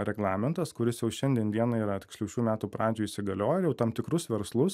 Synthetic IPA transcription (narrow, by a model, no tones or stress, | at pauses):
ɾʲɛɡlˠɑːmʲɛnt̪ɐskʊɾʲɪsjɛʊʃʲɛnʲd̪ʲiɛnd̪ʲiɛnɐiːɾɐt̪ʲɪksʲlʲɛʊʃʲuːmʲæːt̪uːpɾɑːd͡ʒʲuːiʃʲsʲɪɡɐlʲoːjɛjɛʊt̪ɑmt̪ʲɪkɾʊsʋʲɛɾslˠʊs